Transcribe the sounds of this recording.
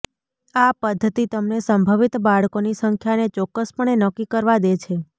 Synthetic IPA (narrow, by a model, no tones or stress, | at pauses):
apəd̪ʱːət̪it̪əmnesəmbʱəʋit̪baɭkonisəŋkʰjanet͡ʃɔkːəspəɳenəkːikəɾʋad̪et͡ʃʰe